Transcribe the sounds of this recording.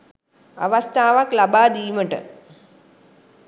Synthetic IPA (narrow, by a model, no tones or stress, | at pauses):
a̰ʋast̪ʰaːʋaklabaːd̪iːməʈə̰